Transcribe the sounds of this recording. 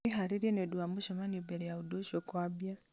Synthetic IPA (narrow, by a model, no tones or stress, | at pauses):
iɦaɾiɾjeneduamuʃomanibeɾejaudoʃokwabja